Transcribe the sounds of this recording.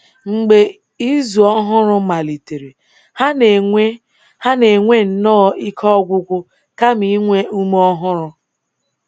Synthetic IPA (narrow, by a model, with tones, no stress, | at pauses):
ŋ͡m̩˨ɡ͡be˨ | i˦zu˨ɔ˦ɦʊ˦ɾʊ˦ma˨li˨te˨ɾe˨ | ha˦n˨e˦ | ha˦ne˨ŋʷe˦n̩˨nɔː˦˨i˦kʰɔ˦ɡʷʊ˦ɡʷʊ˦ | ka˦mi˨˦ŋʷe˦u˦m˦ɔ˦ɦʊ˦ɾʊ˦